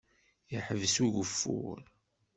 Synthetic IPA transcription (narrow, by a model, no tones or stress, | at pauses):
jəħəvsuʝəfːṵɾ